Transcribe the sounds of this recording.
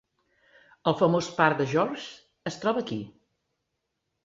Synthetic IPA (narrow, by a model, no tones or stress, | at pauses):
əlˠfəmospaɾd̪əʒɔrʒ | əst̪ɾɔβəːki